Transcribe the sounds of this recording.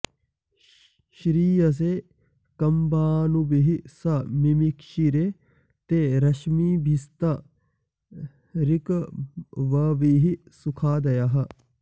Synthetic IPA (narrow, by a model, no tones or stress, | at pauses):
ʃɾiːjɐs̬e | kɐmbaːnubiɦisɐmimikʃiɾe | t̪eɾɐʃmiːbʱist̪ɐ | ɾikɐʋɐʋiɦisukʰaːd̪ɐjɐɦɐ̆